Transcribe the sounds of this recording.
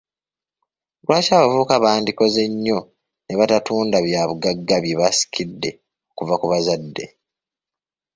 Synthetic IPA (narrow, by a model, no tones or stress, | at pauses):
lwaːcaːβavuːkaβaːndiko̞ze̞ɲːo̞ | ne̞βatatuːndaβjaːβuɡaɡːaβjeβasi̥kʰidːe̞ | okuvakuβazadːe̞